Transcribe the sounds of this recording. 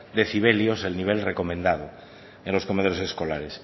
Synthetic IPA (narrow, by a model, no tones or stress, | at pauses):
d̪eθiβ̞eljoselniβ̞elreko̞mẽnd̪að̞o | ẽnlo̞skomeðoɾoseskolaɾes